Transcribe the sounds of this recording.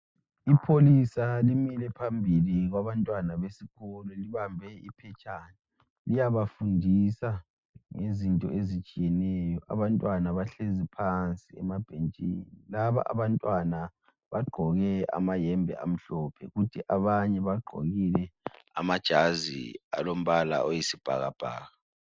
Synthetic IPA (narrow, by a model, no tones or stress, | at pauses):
ipʰolisalimilɛpʰambʱiliɣwaβantʼwanaβesiɣɔlɔliβambʱɛḭpʰɛt͡ʃʼani | lijaβafundʱisa | ŋezintʼɔ̰ezit͡ʃʼijɛnɛjɔʔa̰βantʼwanaβaɬezipʰant͡sʼiɛ̰mab̥ʱent͡ʃʼḭnilaβa̰ʔa̰βantʼwana | βaɡ͡ǃʱɔɣɛa̰majɛmbʱɛ̰a̰m̩ɬɔpʰɛ̰ɣutʰiʔaβaɲɛβaɡ͡ǃʱo̰ɣilɛa̰mad̥ʒ̥ʱazḭa̰lom̩βala̰ʔojisib̥ʱa̰ɣab̥ʱa̰ːɣa